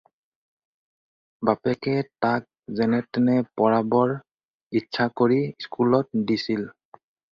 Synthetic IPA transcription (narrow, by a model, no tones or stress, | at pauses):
bapɛkɛtak̚zɛnɛtɛnɛpɔɹabɔɹ | itːʃʰakoɹiskulɔt̚disil